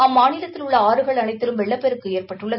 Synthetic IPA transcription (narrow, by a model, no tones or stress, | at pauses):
ɐmːaːnɪlɐt̪ːɪlʊɭːɐaːɾɯɣɐɭɐnɐɪt̪ːɪlɯmʋɛɭːɐpːɛɾɯkːɯeːrpɐʈːɯɭːɐ